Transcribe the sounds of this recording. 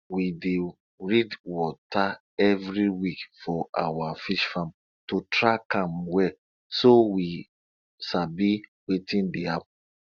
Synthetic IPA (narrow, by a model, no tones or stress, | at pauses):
wide | ɹidwɔta | ɛvɹiwikfɔʔa̰wafiʃfãm | totʰɹakãmwɛ | sowi | sabiwetĩndeap̚